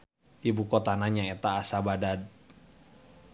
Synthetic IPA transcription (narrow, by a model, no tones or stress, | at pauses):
ʔibukot̪anaɲaet̪aːsabadad